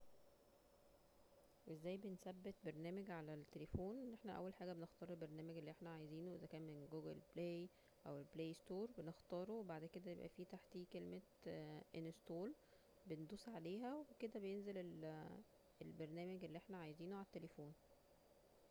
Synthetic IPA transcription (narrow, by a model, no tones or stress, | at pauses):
wʔezːæːjbensæbːet̪̚beɾˤnæːmæɡʕalælt̪ːelefoːnenʔeħnæʔæ̰wːælħaːɡæbenext̪ɑːɾˤelbeɾˤnæːmæɡelːiʔeħnæʕajeziːnuʔezækæːnmenɡoːɡʔḛlbleːj | ʔæwelbleːjst̪oːɾˤbenext̪ɑːɾˤowebaʕd̪ked̪æj̪ebʔæ̰fiːt̪aħt̪ikelme | ʔenest̪oːl | bend̪uːsʕaleːɦæwweked̪æbejenzelel | elbeɾˤnæːmæɡelːiʔeħnæʕajeziːnuʕalæt̪ːelefoːn